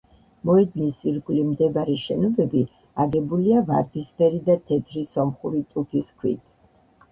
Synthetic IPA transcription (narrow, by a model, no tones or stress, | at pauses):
mɔɛd̪nisiɾɡulimd̪ɛvaɾɛʃɛnɔbɛbi | aɡɛbuliavaɾd̪ispʰɛɾid̪at̪ʰɛt̪ʰɾisɔmχuɾit̪ʼukʰiskʰwḭt̪ʰ